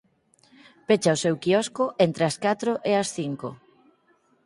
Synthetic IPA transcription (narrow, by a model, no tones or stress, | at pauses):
pet͡ʃaosewkiɔskoʔent̪ɾeaskat̪ɾoʔeɐsθiŋko